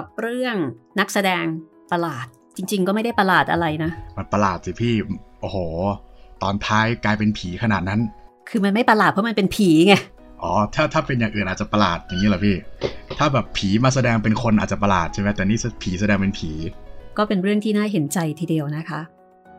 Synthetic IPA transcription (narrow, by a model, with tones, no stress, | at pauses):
a˨˩p̚ɾɯ˥˩əŋna˦˥k̚sa˧dɛː˧ŋ | pa˧laː˨˩t̪̚ | t͡ɕi˧ŋt͡ɕi˧ŋkɔː˥˩ma˥˩jda˥˩jpa˧laː˨˩t̪̚ʔa̰˧ɾa˧jna˦˥ma˧npa˧laː˨˩t̪̚si˨˩pʰiː˥˩ʔoː˧hoː˩t̪ɔː˧nt̪ʰaː˦˥jklaː˧jpe˧npʰiː˩˦kʰa˧naː˨˩t̪̚na˦˥n | kʰɯː˧ma˧nma˥˩jpa˧laː˨˩t̪̚pʰɔ˥ma˧npe˧npʰiː˩˦ŋɛ˧˩ | ʔɔː˩˦t̪ʰaː˥˩t̪ʰaː˥˩pe˧njaː˨˩ŋʔɯː˨˩nʔaː˨˩t̚t͡ɕa˨˩pa˧laː˨˩t̪̚ja˨˩ŋːi˦˥lɛ˨˩pʰiː˥˩t̪ʰaː˥˩bɛː˨˩pʰːiː˩˦maː˧s̬a˧dɛː˧ŋpe˧nkʰo˧nʔaː˨˩t̚t͡ɕa˨˩pa˧laː˨˩t̪̚t͡ɕʰa˥˩ma˦˥t̪ɛː˨˩niː˥˩spʰiː˩˦sa˧dɛː˧ŋpe˧npʰiː˩˦kɔː˥˩pe˧nɾɯ˥˩əŋt̪ʰiː˥naː˥˩ɦe˩˦nt͡ɕa˧jt̪ʰiː˧di˧əwna˦˥kʰa˦˥ʔ